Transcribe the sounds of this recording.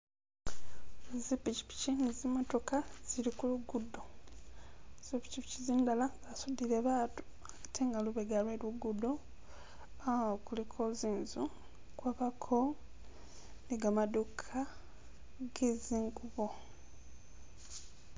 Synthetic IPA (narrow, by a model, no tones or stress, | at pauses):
zipici̥pi̥cinizimoto̞kaz̥iɾikuluɡudːo | z̥ipi̥cipiciziːndalaβasudileβaːtu̥ | akḁtʰeːŋɡaluβeɡalweːluɡudo | aokulikʰoziːnzu | kwaβakʰo | neɡamadukʰa | ɡeziːŋɡuβo